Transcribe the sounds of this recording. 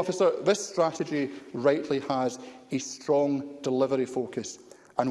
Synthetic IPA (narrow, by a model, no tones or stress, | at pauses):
ɔfɪsə˞ðɪstɹ̥aʔɪd͡ʒiɹaɪʔlˠiəzestɹ̥ɔ̃ŋd̥ɪlˠɪvəɹifokʰəs | ə̃n